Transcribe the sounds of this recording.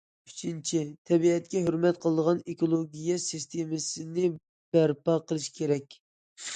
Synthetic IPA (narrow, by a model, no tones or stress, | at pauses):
yt͡ʃʰint͡ʃʰit̪ʰɛbiɛt̪kʲɛɦøɾmɛt̪qʰəlˠəd̪əʁɑnekolˠoɡʲijɛsist̪ʰemɪsɪnɪ | b̥æɾpɑqʰəlˠɨʃkʲʰeɾɛkʲ